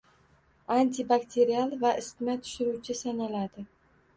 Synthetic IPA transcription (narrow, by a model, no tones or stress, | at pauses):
ant̪ʰibakt̪ʲʰe̞ɾialˠvaʔɪst̪mat̪ʰʊ̥ʃɪɾut͡ʃʰɪsanalad̪ɪ